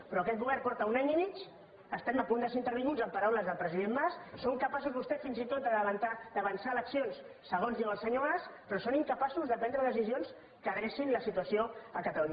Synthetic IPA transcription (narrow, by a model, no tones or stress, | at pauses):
pɾɔkɛt̪buβɛrkɔɾt̪əunaɲimit͡ʃ | əst̪ɛməpund̪əseint̪əɾβiŋɡud͡zəmpəɾawləzðəlˠpɾəziðembassoŋkəpasuzβust̪ɛt̪finzit̪ot̪̚d̪əðəβnt̪ad̪əβənsaələksionsː | əɣ̞onzðiwəlˠsəɲoɣaspɾɔsoniŋkəpasuzðəpɛnd̪ɾəðəs̬izions | kəɣɾɛʃinləsit̪uəsioəkət̪əluɲ